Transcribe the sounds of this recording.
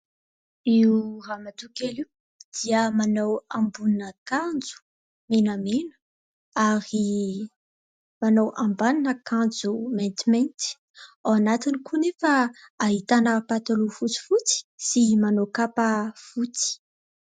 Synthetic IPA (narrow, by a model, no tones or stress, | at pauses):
iuramat̪ukeli | d̪̥iəmanawambunnəkand͡zu̥ | menamenu̥ | aɾi | manawʔambaninəkand͡zument̪iment̪i̥ | awanat̪inikunefaaɦit̪anəpat̪alufut͡si̥fut͡si̥simanokapafut͡si̥